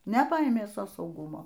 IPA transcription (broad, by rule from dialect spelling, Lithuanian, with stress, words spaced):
nʲɛˈpɐeːmʲeː ˈsoː sɐʊˈɡʊmoː